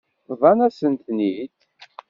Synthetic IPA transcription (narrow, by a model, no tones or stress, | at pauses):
ðˤɑnæsənt̪nid̪